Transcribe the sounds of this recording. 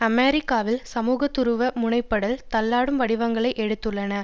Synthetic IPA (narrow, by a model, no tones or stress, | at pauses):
ɐmeːɾɪkːaːʋɪlsɐmuːɣɐt̪ːɯɾɯʋɐmʊɳɐɪpːɐɽɐlt̪ɐlːaːɽɯmʋɐɽɪʋɐŋɡɐɭɐɪʔɛɽɯt̪ːɯɭːɐnɐ